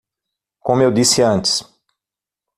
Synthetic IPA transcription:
kõmʊewd̪isɪɐ̃nt͡ʃɪ̥s

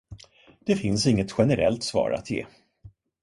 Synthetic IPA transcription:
d̪̥ɛfɪnsɪŋːət̪ɧɛnəɾɛ̰lt̪svɑ̰ːɾa̰t̪jḛː

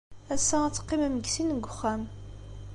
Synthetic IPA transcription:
æsːææt͡sːə̥qːimæmɡsinɡʷʊχːæm

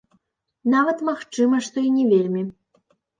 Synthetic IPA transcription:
navɐt̪maxt͡ʂɨmɐʂt̪ɔinʲɛvʲelʲmʲi

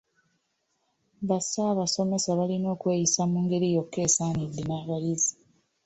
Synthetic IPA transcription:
βasaːβaso̞me̞saβalino̞ːkwe̞ːjisamuːŋɡe̞ɾijo̞kːe̞ːsaːnidːenaːβajizi̥

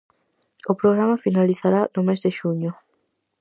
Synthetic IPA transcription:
ʊpɾoɣɾamafinaliθaɾanʊmezd̪ɪʃuɲʊ

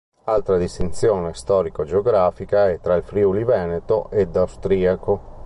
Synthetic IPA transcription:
alt̪ɾad̪ist̪int̪sjoːnest̪ɔːɾikod͡ʒeoɡɾaːfikaɛt̪ːɾailfɾiulivɛːnet̪oʔed̪awst̪ɾiːako

